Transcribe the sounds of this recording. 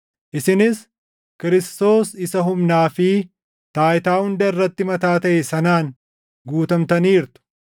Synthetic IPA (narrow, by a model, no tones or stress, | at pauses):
ʔɪsɪnɪs | kɪɾɪst̪o̞ːsɪsɐɦʊmnaːfɪ | t̪aːʔɪt̪aːhʊnd̪ɐɪrːɐt̪ːɪmɐt̪aːt̪ɐʔɛsɐnaːn | ɡuːt̪ɐmt̪ɐniːɾt̪ʊ̥